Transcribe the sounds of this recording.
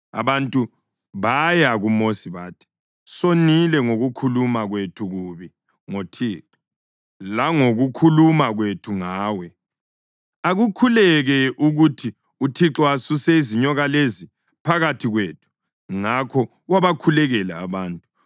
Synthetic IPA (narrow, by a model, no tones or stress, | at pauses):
a̰βantʼu | βajaɣumosiβaːtʰi̥ | sonilɛŋoɣukʰulumaɣwetʰuɣuβi | ŋotʰiːǁɔ | laŋoɣukʰulumaɣwetʰuŋaːwɛ | aɣukʰulɛɣɛʔuɣutʰi | utʰiǁɔasusɛiziɲɔɣalezi | pʰaɣatʰiɣweːtʰu̥ | ŋakʰɔ | ɣwaβakʰulɛɣɛla̰ːβaːntʼu